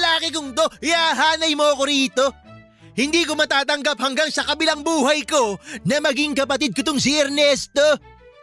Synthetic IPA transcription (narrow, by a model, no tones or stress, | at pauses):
laːkɛkʊŋt̪ohɪhaɦaːnɐjmoɐkoɾiːt̪o̞ | hɪnd̪iːko̞mɐt̪aːt̪ɐŋɡap̚hɐŋɡaŋsɐkɐbɪlaŋbuːɦɐjko̞nɐmɐɡiŋkɐpɐt̪̬id̪̚kɪt̪oŋs̬iɛɾnɛst̪o̞